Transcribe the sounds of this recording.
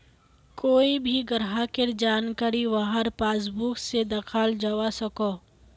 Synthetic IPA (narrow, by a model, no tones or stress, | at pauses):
koːibʱiɡəɾɦakeɾd͡ʒaːnkaɾiʋaɦəɾpaːs̬buksed̪ɐkʰaːld͡ʒawasɐko